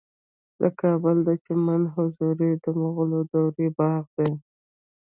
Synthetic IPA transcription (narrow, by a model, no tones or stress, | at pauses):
d̪ə̰kʰɑbəld̪at͡ʃemanɦʊzuɾid̪əmaɣʊlod̪awɾebɑɣd̪e